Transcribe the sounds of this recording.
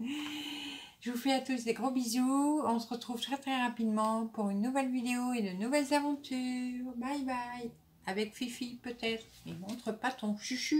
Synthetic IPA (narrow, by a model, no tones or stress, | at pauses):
ʒəvufɛat̪us̬d̪eɡʁobizuɔ̃səʁət̪χuv̥t̪χɛt̪χɛʁapid̪mɑ̃puʁynːuvɛlvid̪eoed̪ənuvɛlzavɑ̃t̪ʰyːʁbajbaj | avɛkfifijpøt̪ɛt̪χmɛmɔ̃t̪χəpat̪ɔ̃ʃyʃy